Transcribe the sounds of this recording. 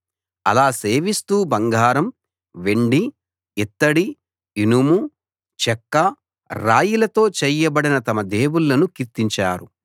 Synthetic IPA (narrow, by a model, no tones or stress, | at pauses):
ɐ̰laːse̞ːʋist̪uːbɐŋɡʱaːɾɐm | ʋe̞ɳɖi | it̪ːɐɽi | inumu | t͡ʃɛkːɐ | ɾaːjulɐt̪o̞ːt͡ʃɛːjːɐbɐɽinɐt̪ɐmɐd̪eːwuɭːɐnukiɾt̪iɲt͡ʃaːɾṵ